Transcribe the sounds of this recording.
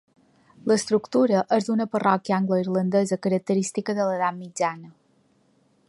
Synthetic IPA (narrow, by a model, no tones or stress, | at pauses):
ləst̪ɾukt̪uɾəʔəzd̪unəpərɔkiəaŋɡləiɾlənd̪ezəkəɾək̚t̪əɾist̪ikəðələðat̪̚mid͡ʒanə